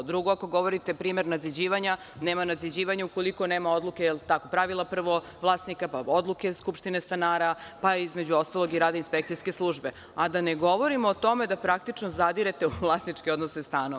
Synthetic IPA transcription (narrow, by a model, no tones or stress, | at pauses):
d̪ɾuɡoako̞ɡo̞ʋo̞ɾit̪epɾiːme̞ɾnad̪zid͡ʑiːʋaɲa | neːmanad̪zid͡ʑiːʋaɲauko̞liko̞neːmao̞d̪lˠukejelˠt̪ako̞pɾaʋilˠapr̩ʋo̞ | ʋlˠaːsnikapaod̪lˠukeskupʃt̪inest̪anaːɾapaizmed͡ʑuo̞st̪alˠo̞ɡiɾaːd̪ainspek̚t̪ijskeslˠuːʒbe̞ | ad̪aneɡo̞ʋo̞ɾimoːt̪o̞med̪apɾak̚t̪it͡ʃnozad̪iɾet̪euvlˠasnit͡ʃkeo̞d̪nosest̪aːno